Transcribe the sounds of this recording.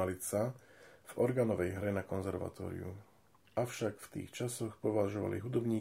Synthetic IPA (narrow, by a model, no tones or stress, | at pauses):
alisav̥ɔɾɡaːnɔʋɛjɦɾɛnakɔnzɛɾʋa̰t̪ɔ̰ːɾḭṵ | ʔaʊʃakft̪ḭːxt͡ʃasɔxpɔʋaʒɔʋa̰lḭɦud̪ɔbɲiː